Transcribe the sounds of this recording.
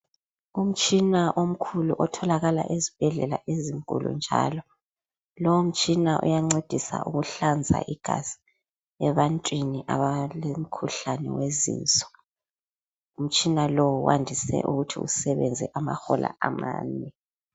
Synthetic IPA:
um̩t͡ʃʼinaʔom̩kʰuluʔɔtʰɔlaɣala̰ʔezib̥ʱɛɮɛla̰ʔeziŋkʼṵlṵnd͡ʒʱaːlɔ | lɔwum̩t͡ʃʼinaʔṵjaŋ͡ǀed̥ʱisa̰ʔuɣuɬand͡zʱa̰ʔiɡ̥ʱaz̥i̥ | ɛβantʼwiniʔaβalem̩kʰuɬanɛwezḭːnt͡sʼɔ̥ | um̩t͡ʃʼinalowuwʔandʱisɛ̰ʔuɣutʰḭusɛβɛnd͡zʱɛʔama̰xɔlʔa̰ʔama̰ːnɛ

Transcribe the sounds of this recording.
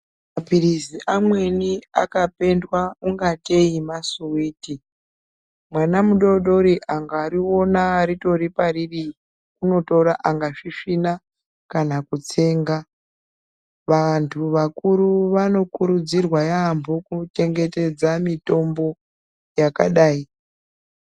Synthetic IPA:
mapiɾiziʔamwe̞nia̰kape̞ndwauŋɡate̞imasuwiːti | mwanamuɗo̞ɗo̞ɾiʔaŋɡaːɾio̞naːɾito̞ɾipariri | kuno̞to̞ɾaʔaŋɡaʂiʂina | kanakut͡se̞ːŋɡa | ʋantʰuʋakuɾuʋano̞kuɾud͡zirwajambʱokute̞ŋɡe̞te̞d͡zamito̞mbo̞ | jakaɗaːi

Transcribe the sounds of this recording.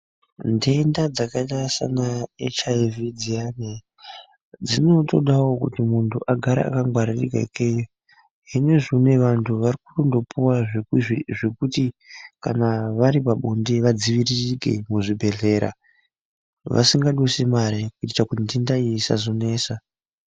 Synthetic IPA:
ndendad͡zakaɗasa̰naḛt͡ʃaevid͡ziane | d͡zino̞to̞ɗawo̞kutimuntʰuʔaɡʱaɾa̰a̰kaŋɡwaɾirḭka̰ikejo | ɦine̞ʐone̞ʋantʰuʋarikurondo̞puwa | ʐekutika̰naʋaɾipaɓondeʋad͡ziʋiririɡʱe̞̰muʐibʱe̞ɮe̞ɾa̰ | ʋa̰siŋɡaɗosemaɾekuitakutindendaijisa̰zone̞ːsa

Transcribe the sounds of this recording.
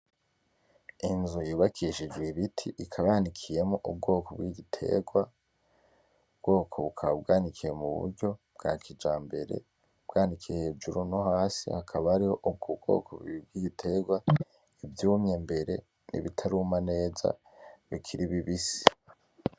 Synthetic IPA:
inzujuːβakʰiʃid͡ʒɡwiβitʰiʔikʰaβaanikʰije̞moʔub̚ɡo̞ːkʰobɡwiːɡitʰe̞̰ɡwa | ubɡo̞ːkʰo̞βukʰaβabɡaːnikʰijemuβṵɾɟo̞b̥̚ɡ̥aːkʰid͡ʒaːmbe̞̰ɾe̞̰ | b̥ɡaːnikʰijeheːd͡ʒuɾunohaːsḭhakʰaβaaɾiho̞ʔub̚ɡub̚ɡ̥o̞̰ːkʰoβḭib̚ɡwiːɡitʰe̞ɡwa | ivjuːmɲembe̞ɾe̞̰ | nḭβitʰaɾuːmane̞ːza̰ | βikʰiɾiβiβisi̥

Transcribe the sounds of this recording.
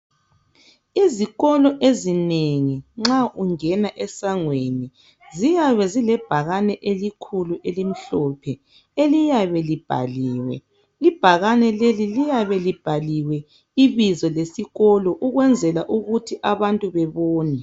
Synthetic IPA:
iziɣɔlɔʔezineŋiŋ͡ǁaʔuŋɛnaʔɛsaŋweni | zijaβɛzilɛb̥ʱaɣanɛʔelikʰuluʔelim̩ɬɔːpʰɛ | elijaβɛlib̥ʱa̰liːwɛ̰ | lib̥ʱaɣanɛlelilijaβɛlib̥ʱaliwɛ | iβizɔlesiɣɔlɔʔuɣwɛnd͡zʱɛlaʔuɣutʰiʔaβantʼuβɛβoːnɛ

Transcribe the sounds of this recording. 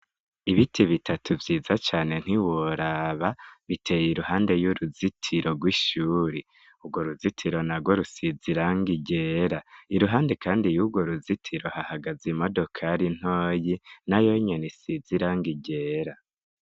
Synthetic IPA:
iβitʰiβitʰatʰuvjiːzat͡ʃaːne̞n̥hiwoɾaβaβitʰe̞jiɾuhaːnde̞juɾuzitʰiɾo̞ɡwiʃuːɾi | uɡwo̞ɾuzitʰiɾo̞naɡwoɾusiziɾaŋɡiɟeːɾaiɾuɦaːnde̞kaːndijuɡwoɾuzitʰiɾo̞hahaɡazimo̞do̞kʰaɾin̥hoːjinajo̞ɲenisiziɾaŋɡiɟe̞ːɾa

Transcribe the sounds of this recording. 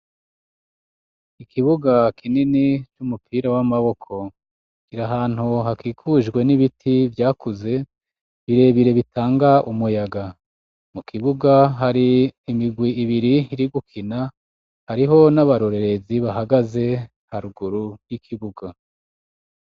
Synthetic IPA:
ikʰiβuɡakininit͡ʃumupʰiːɾawamaβo̞kʰo̞ | ɡiɾaɦaːn̥huɦakiːkʰuʒɡwe̞niβitʰivjaːkuze̞ | βiɾe̞βiɾe̞βitaːŋɡaʔumujaɡa | mukʰiβuɡaɦaɾiːmiɡwiiβiɾiiɾiɡukʰina | haɾiɦo̞naβaɾoɾe̞ɾe̞ziβaɦaɡaze̞ | haɾuɡuɾujikʰiβuɡa

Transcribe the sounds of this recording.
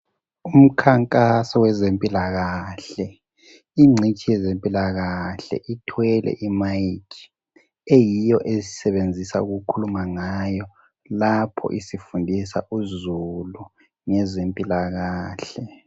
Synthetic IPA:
um̩kʰaŋkʼasɔwɛzempʼilaɣaɬɛ | iŋ͡ǀʱit͡ʃʼijɛzempʼilaɣaɬɛ̰ʔitʰwɛlɛ̰ʔimajkʰi̥ | ejijɔʔezi̥sɛβend͡zʱisa̰uɣukʰulumaŋajɔ | lapʰɔ̰ʔisifundʱisa̰ʔuzulu | ŋɛzempʼilaɣaːɬɛ

